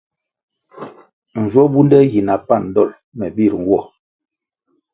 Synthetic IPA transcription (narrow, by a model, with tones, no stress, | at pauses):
n̩˨d͡ʒwɔ˦bu˦ndɛ˦ɣi˨na˨pa˦˨n˨dɔ˦˨l | mɛ˨bi˦˨ɾŋ˨wɔ˦˨